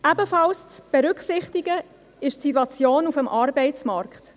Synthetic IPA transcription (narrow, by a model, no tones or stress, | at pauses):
ʔæbəfɑlst͡sb̥eɾʏkχsɪχtiɡə | ɪʃtsitwɑt͡sjoːnufəmʔɑːɾbɛɪt͡smɑɾkχt